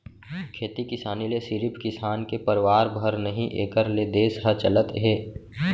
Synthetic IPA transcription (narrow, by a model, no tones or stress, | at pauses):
kʰeːt̪ikɪsaːnilesɪɾɪpʰkɪsaːnkepəɾɪʋaːɾbʱəɾnəɦĩʔeːkəɾled̪eːsɦɐt͡ʃɐlət̪ɦeː